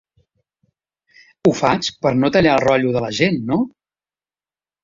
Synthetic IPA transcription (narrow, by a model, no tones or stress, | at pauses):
ufat͡ʃpəɾnot̪əʎalˠrɔʎuðələʒenːo